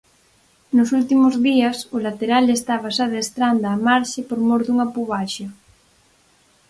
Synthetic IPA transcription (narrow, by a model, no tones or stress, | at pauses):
nʊsult̪imʊzðiɐsolat̪eɾalest̪aβasaðest̪ɾand̪ɐːmaɾʃɪpoɾmoɾðuŋapuβaʃɐ